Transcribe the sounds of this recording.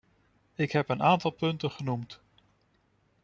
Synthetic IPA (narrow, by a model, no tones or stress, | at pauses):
ɪkɦɛpənaːntɑlˠpɵntənχənumt